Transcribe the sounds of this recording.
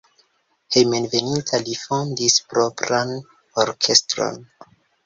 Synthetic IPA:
hejmenve̞nintʰalifondispɾo̞pɾan | oɾkʰe̞stɾo̰n

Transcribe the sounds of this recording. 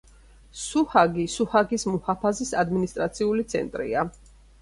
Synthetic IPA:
suhaɡisuhaɡismuhapʰazisad̪minist̪ʼɾat̪sʰiulit̪sʰɛ̰nt̪ʼɾḭa

